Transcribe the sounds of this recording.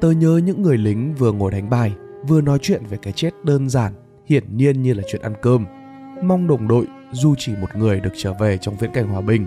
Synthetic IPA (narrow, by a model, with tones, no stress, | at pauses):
t̪əː˧ɲəː˨˦ɲɨ̰˧˥ŋːɨ˨˩əjlï˨˦ŋ̟vɨ˨˩əŋo˨˧˩jɗa˨˦jŋ̟ɓaː˧˩jvɨ˨˩ənɔ˨˦jt͡ɕwḭ˧˨ənve˨˩kaː˨˦jt͡ɕe˦˥t̚ɗəː˧nzaː˧˩n | hḭ˧˨˩ənːi˧ənɲɨ˧laː˨˩t͡ɕwḭ˧˨ənʔa˧nkəː˧m | ma˧wŋ͡mɗə˨˩wŋ͡mɗo̰˧˨j | zu˧t͡ɕi˧˩mo˨˩t̚ŋɨ˨˩əjɗɨ˨˩ək̚t͡ɕəː˧˩ve˨˩t͡ɕɔ˧wŋ͡mvḭ˧˥ənka˧˩jŋ̟hwaː˨˩ɓï˨˩ŋ̟